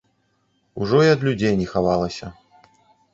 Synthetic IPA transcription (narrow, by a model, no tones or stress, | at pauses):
uʐɔiɐd̪lʲud͡zʲejnʲɛxavalˠɐsʲɐ